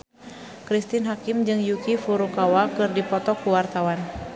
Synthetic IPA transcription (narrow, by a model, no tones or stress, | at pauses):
kɾist̪ɪnɦakimd͡ʒɨŋjukifuɾukawakɨrdipɔt̪ɔkuwart̪awan